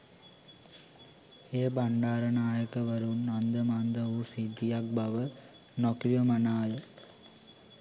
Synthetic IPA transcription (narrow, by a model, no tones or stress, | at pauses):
eːbaɳɖaːɾɐnaːjəkəʋɐɾunːand̪əmand̪əuːsid̪ijak̚baʋə | nokɾiʋəmɐnaːjə